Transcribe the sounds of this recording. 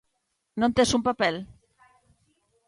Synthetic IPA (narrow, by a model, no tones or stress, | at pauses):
nont̪esumpapɛl